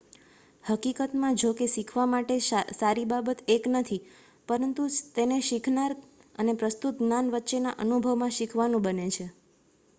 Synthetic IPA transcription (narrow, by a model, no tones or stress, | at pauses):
həkikət̪mãd͡ʒokeʃikʰʋamaʈesaɾibabət̪eknət̪ʰi | pəɾənt̪ut̪eneʃikʰnaɾ | ə̰nepɾəst̪ut̪nanʋətːʃena̰ʔənubʱəʋmãʃikʰʋanũbənet͡ʃʰe